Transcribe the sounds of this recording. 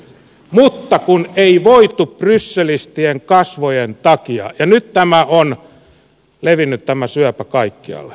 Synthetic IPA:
mut̪ːɑkuneiʋoit̪upprysːelist̪ieŋkɑsʋojent̪ɑkiɑ̰jɑnyt̪t̪æmæʔon | leʋinːyt̪t̪æmæsyæpækɑikːiɑ̰lːe̥

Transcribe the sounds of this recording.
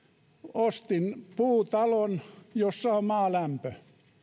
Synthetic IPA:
ost̪inpuːt̪ɑlonjosːɑomɑːlæmpø

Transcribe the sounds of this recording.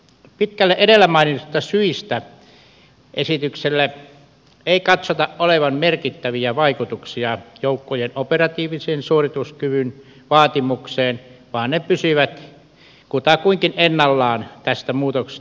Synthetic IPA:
pit̪kælːeʔedelːæmɑinit̪ust̪ɑsyist̪æ | ʔesit̪ykselːæ | eˑikɑt̪sot̪ɑʔʔoleʋɑmmerkit̪ːæʋiæʋɑikut̪uksiɑjoˑukːojenoperɑt̪iːʋiseːnsuorit̪uskyʋyn | ʋɑːt̪imukseːnʋɑːnnepysyʋæt̪ | kut̪ɑkuiŋkinenːɑlːɑːnt̪æst̪æmuːt̪okse̥

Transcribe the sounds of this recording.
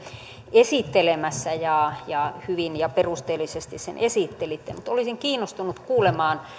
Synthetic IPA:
esit̪ːelemæsːæjɑjɑhyʋinjɑperust̪eːlːisest̪issḛnʔesiˑt̪ːelit̪ːḛmut̪olisiŋkiːnːost̪unut̪kuːlemɑːn

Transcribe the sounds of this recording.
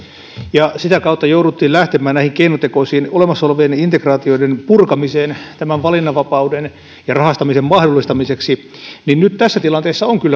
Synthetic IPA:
jɑsit̪ækɑut̪ːɑjouɾut̪ːiːllæht̪emæːnnæihiŋkeinot̪ekoisiːnolemɑsːolʋeːnint̪ekrɑːt̪ioidenpurkɑmiseːnt̪æmæʋʋɑlinːɑʋɑpɑuden | jɑrɑhɑst̪ɑmisemmɑhdolːist̪ɑmiseksi | ninnyt̪t̪æsːæt̪ilɑnt̪eːsːɑoŋkylːæ

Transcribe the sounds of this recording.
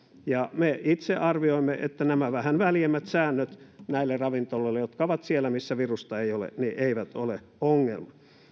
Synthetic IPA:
jɑmeit̪seʔɑrʋioimːeʔḛt̪ːænæmæʋæhænʋæljemːæt̪sæːnːøt̪næilːerɑʋint̪olːoilːejot̪kɑoʋɑt̪sielːˑæmisːæʋirust̪ɑeiolḛniʔeiʋæt̪olḛ | oŋːḛlmɑ

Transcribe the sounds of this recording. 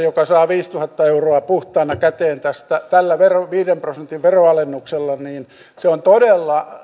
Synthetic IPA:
jokɑsɑːʋiːst̪uhɑt̪ːɑeuroɑpuht̪ɑːnɑkæt̪eːnt̪æst̪æt̪ælːæʋeroʋiːɾemprosent̪iʋʋeroɑlenːukselːɑniːn | seont̪odelːɑ

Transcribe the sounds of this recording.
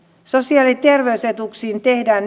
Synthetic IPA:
sosiɑːlit̪e̞rʋeyset̪uksiːnt̪ehdæːn

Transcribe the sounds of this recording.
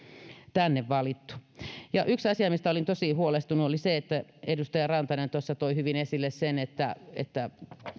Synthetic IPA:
t̪ænːeʋʋɑlit̪ːu̥jɑʔyksɑsiɑmist̪æolint̪osihuolest̪unuoliseet̪ːæedust̪ɑjɑrɑnt̪ɑnent̪osːɑt̪oihyʋinesilːessenet̪ːæḛt̪ːæ

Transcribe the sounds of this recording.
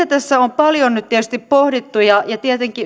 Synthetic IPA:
æt̪æsːæompɑljonnyt̪t̪iet̪yst̪ippohdit̪ːujɑjɑt̪iet̪eŋki

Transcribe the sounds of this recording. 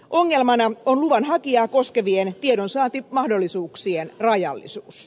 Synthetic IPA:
ʔo̞ŋːe̞lmɑnɑonluʋɑnɦɑkiɑːkoskeʋient̪iedonsɑːnt̪imɑhdolːisuːksienrɑjɑ̰lːḭsuːs

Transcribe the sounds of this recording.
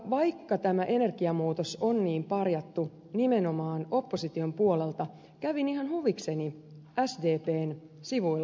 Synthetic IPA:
ʋɑjkːɑt̪æmæʔe̞ne̞rkiɑmuːt̪osonːniːmpɑrjɑt̪ːu | nimeno̞mɑːno̞pːosit̪io̞mpuolelt̪ɑ | kæʋinihɑnhuʋikse̞niæsde̞ːpeːn | siʋuilː

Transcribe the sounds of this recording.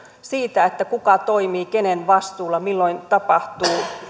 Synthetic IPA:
siːt̪æet̪ːækukɑt̪oimiːkenenʋɑst̪uːlːɑmilːoint̪ɑpɑht̪uː

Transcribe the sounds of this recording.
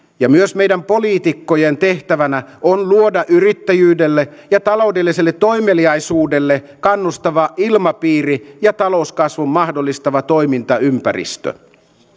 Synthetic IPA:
jɑmyøsmejdæmpo̞liːt̪ikːojent̪e̞ht̪æʋænæʔonluodɑʔyrit̪ːæjyːdelːejɑt̪ɑlo̞udelːiselːet̪ːo̞jmeliɑjsuːde̞lːe | kɑnːust̪ɑʋɑʔilmɑpiːrijɑt̪ɑlo̞uskɑsʋumːɑhdolːist̪ɑʋɑt̪o̞imint̪ɑympærḭst̪ø̰

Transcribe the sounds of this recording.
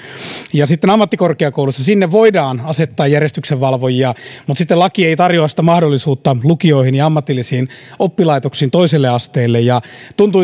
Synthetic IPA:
jɑsit̪ːenɑmːɑt̪ːikorkeɑkoulusːɑsinːeʋʋoidɑːnɑset̪ːɑːjærjest̪ykseʋʋɑlʋojiɑmut̪sit̪ːelɑkieit̪ɑrjoɑsit̪æmɑhdolːisuːt̪ːɑlukio̞ihinjɑɑmːɑt̪ilːisiːnopːilɑit̪oksiːnt̪oiselːeɑst̪eːlːejjɑt̪unt̪u

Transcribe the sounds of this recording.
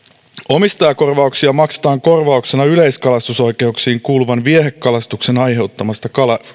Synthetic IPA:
o̞mist̪ɑjɑko̞rʋɑuksiɑmɑkse̥t̪ɑːŋko̞rʋɑukse̞nɑylejskɑlɑst̪uso̞jke̞uksiːŋkuːluʋɑnʋieɦe̞kːɑlɑst̪ukse̞nɑjɦe̞wt̪ːɑmɑst̪ɑkɑlɑ

